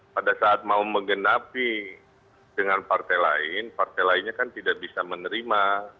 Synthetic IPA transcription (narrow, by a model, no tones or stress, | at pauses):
padasaːt̪̚mauməŋɡənapi | dəŋanpart̪ajla̰ɪnpart̪ajlaɪnɲakant̪idaʔbisamənəɾima